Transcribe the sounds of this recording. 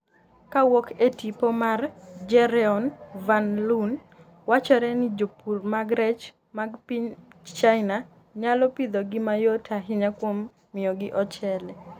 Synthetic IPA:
kawoketipomard͡ʒɛɾɛɔnvanlun | wat͡ʃɔɾɛnɪd͡ʒopurmaɡɾɛt͡ʃ | maɡpiɲt͡ʃaɪna | ɲalɔpid̪ɔɡɪmajotʰaɦɪɲakwomː | ɪjɔɡɪʔɔt͡ʃɛlɛ

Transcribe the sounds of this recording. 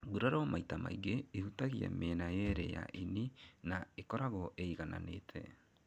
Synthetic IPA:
ɡuɾaɾɔmaitama̰iɡeːhutaɣiɛ̰menajeɾɛja̰ʔininaekɔɾaɣɔʔeiɣana̰neːtʰɛ̰

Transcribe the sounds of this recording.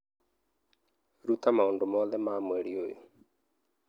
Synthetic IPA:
ɾutamaoːndomɔðɛmamwɛɾiojo̰

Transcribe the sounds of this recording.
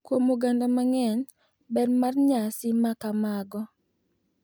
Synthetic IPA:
kwomoɡandomaŋɛn | bɛdmarɲasɪmakamaɡɔ

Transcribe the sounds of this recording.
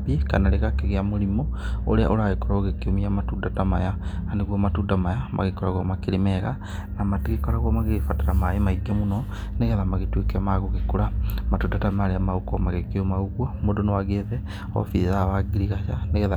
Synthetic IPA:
biekanaɾeɣakeɣeamoɾimooɾea̰ʔoɾaɣekɔɾɔɣekeomiamatuːdatamajaaneɣwɔmatuːdamajamʔa̰ɣekɔɾaɣwamakeɾemɛɣa | namateɣekɔɾaɣwamaɣefataɾamaemaiɡɛmunɔ | neɣɛðamaɣetwekeamaɣoɣekoɾamatuːdatamaɾeamaokɔmaɣekeomauɣwɔmodonowaɣeðɛ | ɔ̰fiðaβaɡiɾiɣaʃaneɣɛða

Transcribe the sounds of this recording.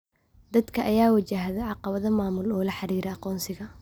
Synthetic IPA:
d̪ɐd̪kʰɐʔɐjaːwɐt͡ʃaɦðɛʕɑqɑβɐðɐmaːmʊlɔːlɐħɑɾiːɾɛɑqɔːnsɪɣɐ

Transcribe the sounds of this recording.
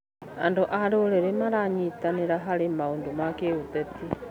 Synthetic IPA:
a̰ndoʔaɾooɾɛɾemaɾaɲitaneɾaɦaɾemaondomakeut̪ɛti

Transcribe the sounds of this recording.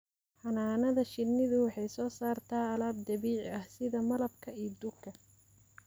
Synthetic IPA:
ħɑnaːnɐðɐʃɪnːɪðʊwħɑjsɔːsaːrt̪ʰaːɐlaːb̚d̪ɐβiːʕɐhsɪðɐmɐlɐb̚kʰɐiːd̪ʊkʰːɐ

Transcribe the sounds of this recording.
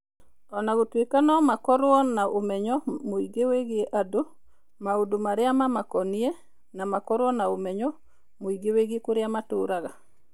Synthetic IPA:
ɔnaɡotwekanɔmakɔɾwɔnnːaʔomɛɲɔmoiɡeweɡɪeʔado | maodomaɾɪamamakɔnɪe | namakɔɾwɔnaomɛɲɔ | moiɡeweɡiekʊɾjamatʊɾaɡa

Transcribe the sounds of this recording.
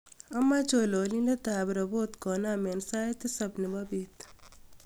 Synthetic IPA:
ɐmːat͡ʃololinɐt̪aːbɾɐbot̪koːnaːmensaːet̪esɐbnebɐbit̪

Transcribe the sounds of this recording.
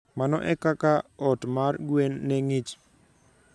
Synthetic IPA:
manɔ̰ʔɛkakaɔtmarɡwenːeŋit͡ʃ

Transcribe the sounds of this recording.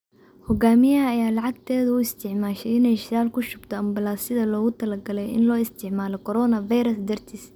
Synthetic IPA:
hɔɡaːmɪjɐɦɐːjaːlɑʕɑɡ̚t̪ʰɛːðɐʊɪst̪ʰɪʕmaːʃɛɪnɛjʃɪɾaːlkʰʊʃʊbt̪ʰɔɐmbɐlaːsɪðɐlɔːɣʊt̪ʰɐlɐɡɐlɛjɪ̰nlɔːɪst̪ʰɪʕmaːlɔkʰɔɾɔːnɐvɐjɾɐsd̪ɐrt̪ʰis

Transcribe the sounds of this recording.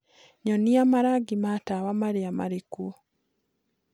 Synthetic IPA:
ɲɔniamaɾaɡimatawamaɾeama̰ɾeku

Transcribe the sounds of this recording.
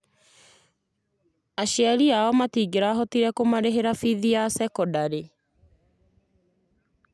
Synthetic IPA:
aɕeaɾiaɔmatiːɡeɾaːɦɔtiɾɛkomaɾeɦeɾafiðiasɛkɔdaɾe

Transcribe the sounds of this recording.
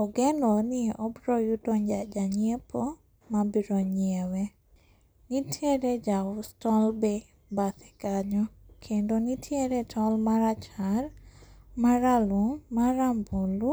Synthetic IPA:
ɔɡɛnɔnɪʔɔbɾɔjudɔɲd͡ʒad͡ʒaɲiepʰɔ | mabiɾoɲiewɛ | nitʰeɾed͡ʒaʊstɔlbe | bat̪ɛ̥kaɲɔkʰendonitʰjeɾetʰɔlmaɾat͡ʃarmaɾalumaɾambulu

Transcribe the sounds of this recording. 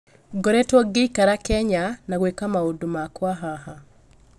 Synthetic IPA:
ɡɔɾɛtwɔɡeikaɾakɛɲanaɣwekamaodomakwaɦaha

